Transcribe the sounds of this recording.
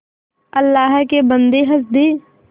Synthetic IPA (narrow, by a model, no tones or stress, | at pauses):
ɐlːaːɦkebə̃nd̪eɦɐs̬d̪eː